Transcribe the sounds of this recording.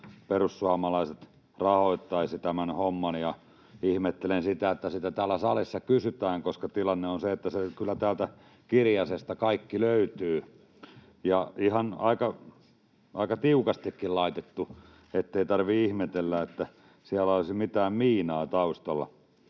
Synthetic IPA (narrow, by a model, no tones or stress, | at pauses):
perussuɑmɑlɑiset̪ | rɑhoit̪ːɑisit̪æmænhomːɑnjɑ | ihmet̪ːelensit̪æet̪ːæsit̪æt̪æːlːæsɑlisːɑkysyt̪æːŋkoskɑt̪ilɑnːeonseet̪ːæsekylːæt̪æːlt̪æ | kirjɑsest̪ɑkɑikːiløyt̪yː | jɑihɑnɑ̰ikɑ | ʔɑikɑt̪iukɑst̪ikːillɑit̪et̪ːu | et̪ːeit̪ɑrʋiihmet̪elːæet̪ːæ | siælæolisimit̪æːmmiːnɑːt̪ɑust̪olːɑ̰